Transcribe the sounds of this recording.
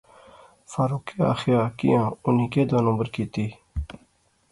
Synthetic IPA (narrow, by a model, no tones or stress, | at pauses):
faːɾuːkia̰ːxjaːkḭjãːʊniːkeːd̪aːnə̃ːbəɾkiːt̪iː